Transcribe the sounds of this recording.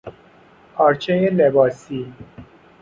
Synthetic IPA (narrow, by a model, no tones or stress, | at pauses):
ɒːɾt͡ʃʰejelebɒːsiː